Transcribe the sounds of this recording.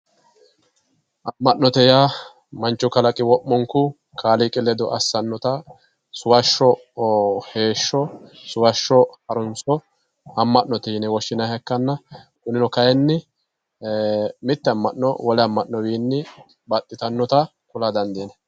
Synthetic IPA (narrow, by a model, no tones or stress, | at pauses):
ʔɐmːɐʔnɔt̪ɛja | mɐnt͡ʃːɔkɐlɐkʼɪwɔʔːɔŋkʊ | kʰaːlikʼɪlɛd̪ɔʔɐsːɐnːɔt̪ɐ | sʊwɐʃːɔ | he̞ːʃːɔsʊwɐʃːɔhɐɾʊnsɔ | ɐmːɐʔːɔt̪ɛnɛwɔʃːɪnɐhɛkːɐnːɐkʊnɪnɔkɐjɛnːɪ | mɪt̪ːɛɐmːɐnːɔ̰wɔlɛɐmːɐʔːɔbiːnːɪ | bɐt̪ʼːɪt̪ɐnːɔt̪ɐ | kʊlad̪ɐnd̪inɛ